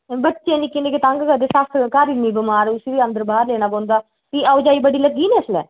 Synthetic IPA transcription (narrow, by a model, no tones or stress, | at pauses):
bətːʃẽːnikɪ̃nd̪eːket̪ãŋɡɡəd̪eːsast̪ʰkaːɾimiːbəmaːɾʊsʋiːə̃nd̪əɾbaːɾleːnaːbõːnd̪aː | t̪iːaʊd͡ʒaːiːbəɽiːləɡːiːneːəslɛ̰ː